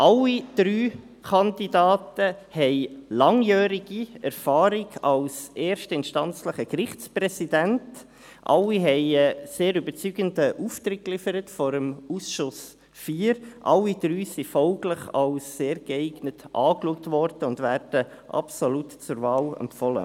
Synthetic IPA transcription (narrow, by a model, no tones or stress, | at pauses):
ʔɑlːid̥ɾyː | kʰɑndidɑːtəhɛɪlɑŋjœːɾiɡ̥iɛɾfɑːɾɪɡɑlseːɾʃtəɪntʃtɑnt͡sləχəkɾɪχt͡sprɛsidænt | ʔɑ̰lːiɦɛɪɛseːɾʏbət͡syɡəndəʔuːft̪ɾɪk̚kːlɪfəɾətfɔɾəmusʃʊs | fiːəɾʔɑlːid̥ɾyːsifɔlɡləχɑlsːeːɾɡɛɪɡnətʔɑːkluək̚tvɔɾd̥əʊndvæːɾd̥ə | ʔɑ̰psɔlutt͡sʊɾvɑːlɛ̰mpfɔlə̰